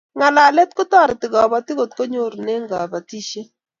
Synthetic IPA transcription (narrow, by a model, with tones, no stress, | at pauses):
ŋa˨la˨lɛ˦t̚kʊ˦tɔ˦˨ɾɪ˨tɪ˨ɡɔ˨ba˨tɪ˦ɡo˨t̚ko˦ɲo˦˨ɾne˦ŋɡa˨ba˨ti˦ʃe˦